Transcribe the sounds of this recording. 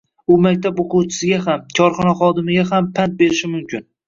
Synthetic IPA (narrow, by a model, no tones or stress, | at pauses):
ʊmak̚ʲt̪ʰaboqʰuwt͡ʃʰɪ̥sɪɡʲaɦamkʰɒɾχɒnaχɒd̪ɪmɪɡʲaɦampʰant̪̚be̞ɾɪʃɪmʊmkʲʰɪn